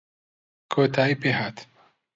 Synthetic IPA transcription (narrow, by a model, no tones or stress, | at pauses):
kʰoːt̪ʰaːipehaːt̪